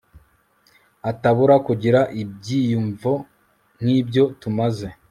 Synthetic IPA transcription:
ataβuɾakuɟiɾaʔib̚ɟiːjuɱvo | n̥hiːbɟo̞tumaze̞

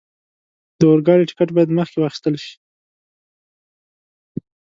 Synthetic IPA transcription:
d̪əoɾɡɑɾiʈɪ̥kaʈbɑjad̪məxkewɑxi̥st̪əlʃi̥

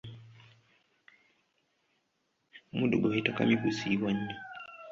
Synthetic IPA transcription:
muɗṵɡɔitaka̰mikusiwaɲ̩ɲi

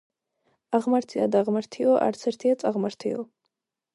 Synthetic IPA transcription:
aʁmaɾt̪ʰia̰d̪aʁmaɾt̪ʰiɔʔa̰ɾt̪sʰɛɾt̪ʰiat̪sʼaʁmaɾt̪ʰḭɔ

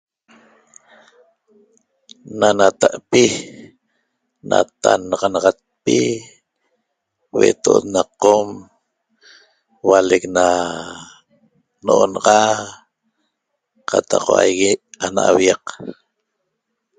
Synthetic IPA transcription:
nanat̪aʔpi | na̰t̪anɑʁɑnɑʁɑt̪̚pi | wet̪oʔot̪naqːom | walekna | noʔonɑʁɑ | qʰat̪ɑqwa̰jɣianaʔawjaq

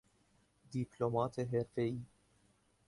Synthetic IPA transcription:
d̪iplɔmɐːt̪eɦɛɾfɛi

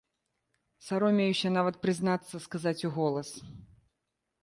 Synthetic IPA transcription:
saɾɔmʲejuɕʲɛnavɐt̪̚pɾɨznat̪sːɐskazat͡sʲuɣɔlˠɐs

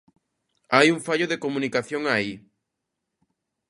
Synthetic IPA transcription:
ajuŋfaʎoðekomũnikaθjoŋai

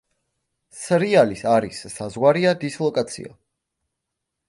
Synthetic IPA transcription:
sɾialisaɾisːazʁwaɾiad̪islˠɔkʼat̪sʰḭa̰

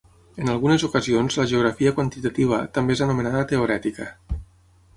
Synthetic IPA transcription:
ənalˠɣunezukəzionzləʒeuɣɾafiəkwant̪it̪at̪iβ̞ət̪əmbeezənumenaðət̪euɾɛt̪ikə̰

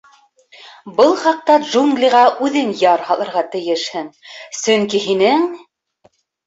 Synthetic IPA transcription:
bɤlˠχɑq̚t̪ɑdʒuŋɡlʲiʁɑʔʉðɘnjɑɾhɑlˠɤ̆ɾʁɑt̪ɘ̆jɘʃhɘnsɵŋkiɦinɘŋ

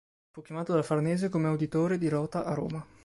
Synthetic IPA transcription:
fukːjamaːt̪od̪alfarneːzekomeawd̪it̪oːɾed̪iɾɔːt̪aʔaro̰ːma

